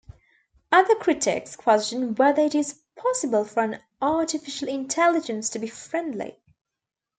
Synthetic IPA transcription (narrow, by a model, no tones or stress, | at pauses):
ʌðəkʰɹ̥ɪtɪ̰kskʰw̥ɛst͡ʃɨ̃nwɛðə˞ɨɾɪz̥ | pʰɑsəbəlˠfə˞ə̃n | ʔɑɹɾɨfɪʃəl̩ˠɪ̃ntʰɛlˠɨd͡ʒɨ̃nstʰɨbifɹɛ̃ndˡlḭ